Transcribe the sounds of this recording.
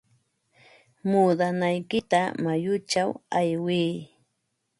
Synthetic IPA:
muːd̪anajkɪt̪amajʊt͡ʃawajwiː

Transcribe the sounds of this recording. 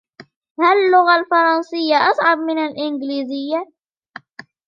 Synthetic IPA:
hallːʊɣalfɑɾˤɑnsɪjːaʔasˤʕɑb̚mɪnalʔɪŋɡliːzɪjːa

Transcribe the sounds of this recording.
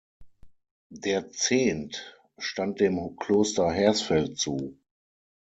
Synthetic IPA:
deːɐt͡seːnt | ʃtant̚d̥eːmkʰl̥oːstɐɦɛɐsfɛlt̚t͡suː

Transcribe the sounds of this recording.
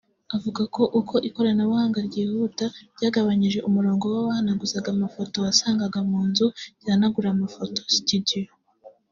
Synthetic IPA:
avuɡakʰo̞ʔukʰo̞ʔiko̞ɾanaβuhaːŋɡaɾɟiːhutaɾɟaːɡaβaɲiʒe̞ʔumuɾo̞ːŋɡo̞waβahanaɡuzaɡamafo̞to̞wasaːŋɡaɡamuːnzuiɾanaɡuɾamafo̞tositidijo

